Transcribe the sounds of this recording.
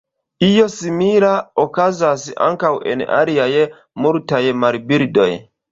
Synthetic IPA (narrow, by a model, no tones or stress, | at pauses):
ijo̞simiɾaokazasa̰ŋkawʔḛna̰ɾiaje | muɾtajmaɾbiɾdo̞̰j